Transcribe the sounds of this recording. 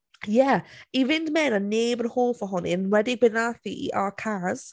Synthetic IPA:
jɛivɪndmɛnənːeːbənhoːlˠfəɦʊnɪnwɛdɪɡ̚bɪnaθḭʔakʰaz̥

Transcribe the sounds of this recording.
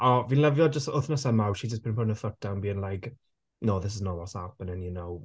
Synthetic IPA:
ɔvinlɛvjɔd͡ʒəstʊθnasəmawʃid͡ʒəsb̥ʰɪnpʰɔdnəθətanbiːənlajk | noːðɪs̬ɪznɔvɔsapənɛniənɔw

